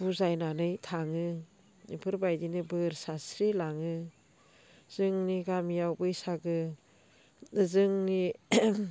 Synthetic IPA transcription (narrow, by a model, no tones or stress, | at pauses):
buzajnanɯjtʰaŋɯ | nipʰɯɾbajdinɯbɯɾsasɾilaŋɯ | z̥ɯŋniɡamijawbɯjsaɡɯ | zɯŋni